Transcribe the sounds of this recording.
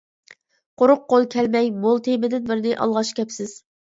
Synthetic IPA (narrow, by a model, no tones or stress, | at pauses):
qʰoɾʊqqːolˠkʲʰɛlmɛjbolˠt̪ʰemɪd̪ɪnbɪɾnɪʔɑ̰lˠʁɑʃkʲʰɛpsɪz̥